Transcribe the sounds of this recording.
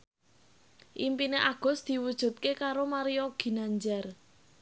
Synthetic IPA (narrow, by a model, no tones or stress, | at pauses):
ʔḭmpineʔaɡ̥ɔ̤sd̪̥i̤wud̥ʒ̥ṳt̪̚kekaɾomaɾijɔɡ̥i̤naɲd͡ʒar